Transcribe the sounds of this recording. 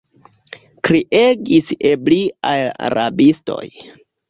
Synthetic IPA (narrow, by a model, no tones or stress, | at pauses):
kɾiʔeɡisebliʔaja̰ɾʔabisto̞̰j